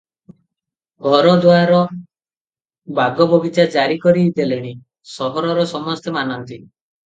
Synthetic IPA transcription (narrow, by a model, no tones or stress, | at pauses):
ɡʱɔɾɔd̪waɾaɾɔ | baɡɔbɔbit͡ʃaɾd͡ʒaɾikɔɾid̪eleɽ̃i | sɔɦɔɾɔɾɔsɔmɔst̪emanɔnt̪i